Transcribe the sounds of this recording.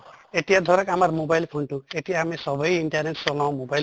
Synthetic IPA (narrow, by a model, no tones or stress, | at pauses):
et̪iad̪ʱɔɾɔkamaɾmobajlpʰoɳʈuet̪iaːmesɔbɔjiɳʈaɾneʈt͡ʃɔlãw̃mobajl